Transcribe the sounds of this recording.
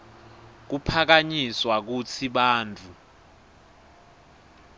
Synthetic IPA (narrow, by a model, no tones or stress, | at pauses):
k̬upʰak̬aɲiswak̬ut͡sʰiɓaːnt͡fʰʼu